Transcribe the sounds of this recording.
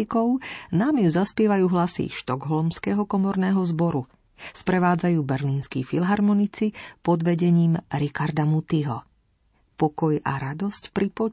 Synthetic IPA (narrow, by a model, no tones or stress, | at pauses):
ikɔʊnaːmjuzaspɪɛʋajuːɦlasḭʃt̪ɔɡɦlɔmskɛɦɔkɔmɔɾnɛːɦɔzbɔɾu | spɾɛʋaːd͡zajuːbɛɾliːnskifilɦaɾmɔnit͡sipɔd̪ʋɛɟɛɲiːmɾikaɾd̪amut̪iɦɔ | pɔkɔja̰ɾad̪ɔscpɾipɔ